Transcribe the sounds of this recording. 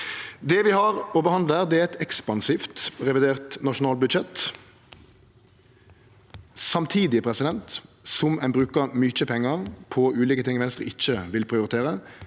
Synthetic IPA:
d̪ɛʋɪhɑɾɔbəhɑnd̪ləæːʁd̪ɛæɛɪt̪ɛkspɑnsift̪ʁɛʋɪd̪eːʁt̪nɑʃʊnɑːlbʉd̪ʃɛt̪ | sɑmt̪ʰiːd̪ɪpʰɾɛsɪd̪ɛnt̪sɔmɛnbʁʉːkəmyt͡ʃəpʰɛŋːəʁpʰɔʉːliːkət̪ɪŋːɪʋɛnst̪ʁəɪc͡çːəʋɪlpʰʁɪʊɾɪt̪ʰeːʁə

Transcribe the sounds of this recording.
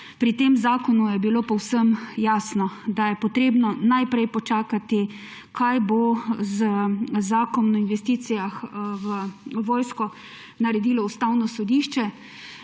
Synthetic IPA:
pɾit̪eːmzaːkɔnujɛbiloːpɔwsəmjaːsnɔd̪ajɛpɔt̪ɾeːbnɔnajpɾɛjpɔt͡ʃaːkat̪i | kʰajbozəzaːkɔnnɔinʋɛst̪iːt̪sijaxʋəʋɔːjskɔ | naɾɛd̪iːlɔust̪awnɔsɔd̪iːʃt͡ʃɛ

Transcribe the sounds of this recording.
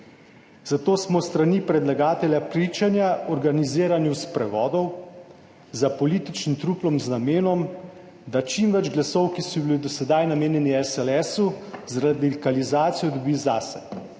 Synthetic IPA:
z̥at̪oːsmɔst̪ɾanipɾɛd̪laɡaːt̪ɛlʲjapɾiːt͡ʃanjaɔɾɡaniziːɾanjuspɾɛʋɔːd̪ɔw | zapɔliːt̪it͡ʃnimt̪ɾuplɔmznameːnɔm | d̪at͡ʃimʋɛd͡ʒɡlasɔwkisɔbilid̪ɔsɛd̪ajnameːnjɛniɛsɛlɛsuzɾad̪ikalizaːt̪sijɔd̪ɔbiːzaːsɛ̰

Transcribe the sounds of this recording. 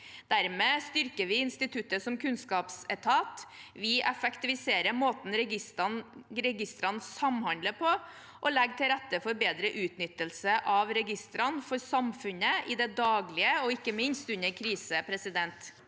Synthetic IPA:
d̪̥æɾmeːst̪ʏɾkəɾʋɪɪnst̪ɪt̪ʰʉt̪ːəsɔmkʰʉnskɑːpsɛt̪ʰɑːt̪ʋɪʔɛfəkt̪ɪʋɪseːɾəmoːt̪n̩ɾɛ | ɾɛɡɪst̪ɾɑnsɑmhɑnd̪ləɾpʰɔ | ʔɔlɛɡt̪ʰɪlɾɛt̪ːəfɔɾbeːd̪ɾəʔʉːt̪nʏt̪ːəlsəʔɑʋɾɛɡɪst̪ɾɑnfɔɾsɑmfʉnəɪd̪ɛd̪ɑːɡlɪəɔɪkːəmɪnst̪ʉnəɾkʰɾiːsəpʰɾɛsɪd̪ɛnt̪

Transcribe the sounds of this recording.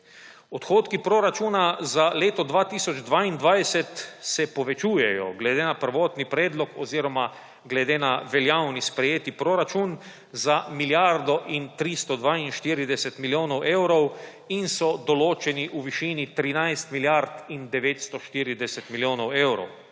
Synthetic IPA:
ɔt̪xoːt̪kipɾoɾat͡ʃuːnazaleːt̪ɔd̪ʋaːt̪iːsɔd͡ʒd̪ʋaːind̪ʋajsɛt̪sɛpɔʋɛt͡ʃuːjɛjɔ̰ɡlɛd̪eːnapəɾʋoːt̪nipɾɛːd̪lɔkɔ̰ziːɾɔma | ɡlɛd̪eːnaʋɛljawnispɾɛjeːt̪ipɾoɾat͡ʃun | zamiljaɾd̪ɔʔint̪ɾist̪ɔd̪ʋaːinʃt̪iːɾid̪ɛsɛt̪miljoːnɔwʔewɾɔw | insɔd̪ɔloːt͡ʃɛniʔuʋiʃiːnit̪ɾinajst̪miljaɾt̪ind̪ɛʋeːt̪st̪ɔʃt̪iːɾid̪ɛsɛt̪miljoːnɔwewɾɔ̰w

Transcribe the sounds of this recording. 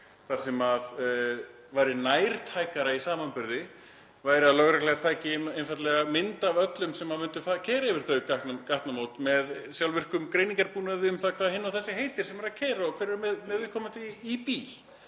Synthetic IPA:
θḁsɛmað | vaːjɾɪnaːjɾ̥t̪ʰajkaɾaisaːmanpʏɾðɪ | vaːjɾɪaðlœɣɾɛklɛɣat̪ʰaːjcɪmejnfajt̪lɛɣamɪnt̪avœt̪lʏmsɛmːaðmʏnt̪ʏfacʰɛːɾaɪvɪɾ̥θœɥkaknkaht̪namoːwt̪mɛðsjawlvɪr̥kʏmkɾejniŋkaɾpuːnaðɪʏmθaðkʰvaðhɦɪnːawθɛsːɪɦejt̪ɪɾ̥sɛmvaɾaðcʰɛːɾaɔkʰvɛɾɛɾmɛmɛːðɪl̥kʰɔːmat̪ɪipiːl̥

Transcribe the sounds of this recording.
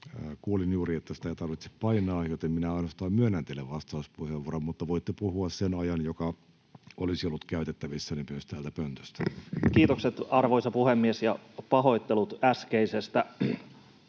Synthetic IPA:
kuːlinjuːɾiet̪ːæsi̥t̪æit̪ɑrʋit̪se̥ppɑinˑɑːjot̪emminæɑinost̪ɑːmmyønːænt̪elːeʋʋɑst̪ɑuspuheʋːuoɾommut̪ːɑʋoit̪ːepuhuɑssenɑjɑnjokɑ | olisiolːut̪kæyt̪et̪ːæʋisːænemyøst̪æːlt̪æpønt̪ø̥st̪ækiːt̪okset̪ɑrʋoisɑpuhemːiesjɑpɑɦo̞ijt̪ːelut̪æskeisest̪æ

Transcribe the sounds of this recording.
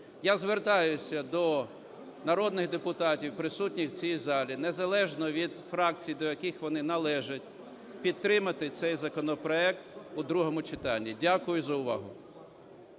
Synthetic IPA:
jazʋert̪ɑjʊsʲɐd̪ɔ | nɐɾɔd̪nɪɣd̪epʊt̪ɑtʲiwpɾɪsutʲnʲixwt͡sʲijizɑlʲinezɐlˠɛʒnɔʋʲid̪fɾɑk̚t͡sʲijd̪ɔjɐkɪxʋɔnɪnɐlˠɛʒɐtʲ | pʲid̪̚ːɾɪmɐt̪ɪt̪sɛjzɐkɔnɔpɾɔɛk̚t̪ʊd̪ɾuɦɔmʊt͡ʃɪt̪ɑnʲːidʲakʊjʊzɐʊʋɑ̰ɦʊ

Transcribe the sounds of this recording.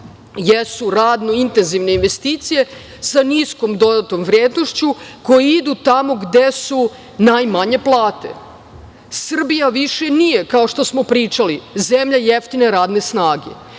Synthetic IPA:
jesuɾaːd̪noint̪e̞nziʋne̞inʋe̞st̪iːt̪sije̞ | sanisko̞md̪o̞d̪at̪o̞mʋɾjeːd̪no̞ʃt͡ɕuko̞jiid̪ut̪amo̞ɡd̪e̞su | najmaɲe̞plˠaːt̪e̞̰ | sr̩bijaʋiʃe̞nije̞kaoʃt̪o̞smo̞pɾiːt͡ʃalizemʎajeft̪ine̞ɾaːd̪ne̞snaːɡe̞̰

